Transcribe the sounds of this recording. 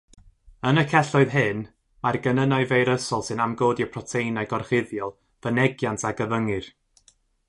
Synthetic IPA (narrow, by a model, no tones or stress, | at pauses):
ənəkʰɛɬɔɨðɦɨn | marɡənənɔɨvejɾəsɔlˠsɨnamɡoːdiəpʰrɔtʰejnajɡɔrχɪðjɔlˠ | v̥ənɛɡjantʰaɡəvəŋɨr